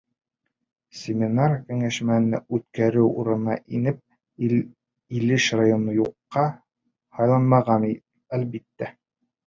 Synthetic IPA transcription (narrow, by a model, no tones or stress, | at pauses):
sʲɪmʲinarkɵ̆ŋæʃmæɘ̆næ̰ʉt̪kæɾɘwṵɾɤ̆nɑ̰ʔinɘp̚ | ilɘʃrajonojuqːɑ | hɑjlˠɑnmɑʁɑni | ælbit̪ːæ